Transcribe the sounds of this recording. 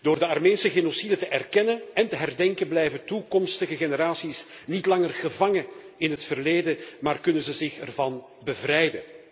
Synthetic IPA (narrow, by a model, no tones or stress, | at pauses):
d̥oːrdəɑrmeːnsəɣenosidətəʔɛrkɛnənɛntəɦɛrdɛŋkənblɛjvəntukɔmstəɣəɣenəɾaːsisnitlɑŋərɣəvɑŋə | ɪnɦətfərleːdəmaːrkɵnənzəzɪxɛrvɑn | bəvrɛjdən